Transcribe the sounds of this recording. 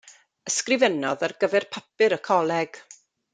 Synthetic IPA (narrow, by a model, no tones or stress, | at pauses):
əskrɪvɛnɔðarɡəvɛrpʰapɨɾəkʰɔlˠɛɡ̥